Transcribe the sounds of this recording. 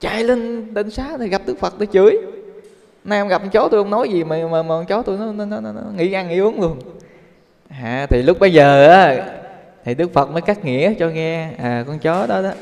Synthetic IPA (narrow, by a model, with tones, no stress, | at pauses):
t͡ɕa̰ː˧˩jlə˧nɗə˧nsaː˨˦t̪ʰi˨˩ɣa˨˩p̚ɗɨ˦˥ək̚fə˨˩t̚ɗ̪ə˧˦jt͡ɕɨ˨˦əj | naː˧wŋ͡mɣa˨˩p̚ʔŋ͡mt͡ɕo˨˦t̪u˧jhə˧wŋ͡mnɔ˨˦jzi˨˩maː˨˩məː˨˩məː˨˩˧t͡ɕɔ˨˦t̪u˧jnɔ˨˦nɔ˨˦nɔ˨˦nɔ˨˦nɔ˨˦ŋḭ˧˥ʔa˧ŋḭ˧˦ʔɨ˨˦ənlu˧ən | aː˨˩t̪ʰi˨˩lʊ˦˥k͡p̚ɓə˧jzəː˨˩ʔaː˨˦ | t̪ʰi˨˩ɗɨ˦˥ək̚fə˨˩t̚məː˨˦jkaː˦˥k̚ŋḭ˧˥ət͡ɕɔ˧ŋɛ˧ʔaː˨˩kɔ˧nt͡ɕɔ˨˦ɗɔ˨˦ɗɔ˨˦